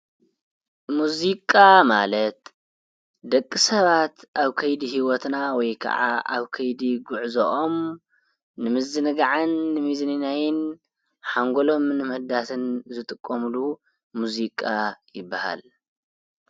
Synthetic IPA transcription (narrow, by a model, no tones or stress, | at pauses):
muzikʼamalɐt̪ | d̪ɐkʼːisɐβat̪ʔaβkʰɐjd̪ihiwɔt̪nawɔjkʰɐ̰ʕa̰a̰βkʰɐjd̪iɡuʕzoʔom | nɨmɨzɨnɨɡaʕanːɨmizninajɪn | ħaŋɡolo̞mnɨmɨhd̪at̪ʰɨnzɨt̪ʼɨkʼːomulu | muzikʼajɪbːaha̰l